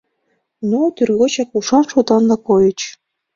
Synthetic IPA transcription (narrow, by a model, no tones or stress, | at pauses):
not̪yrɣot͡ɕɑkuʂɑnʃod̪ɑnd̪ɑkojɤ̆t͡ɕ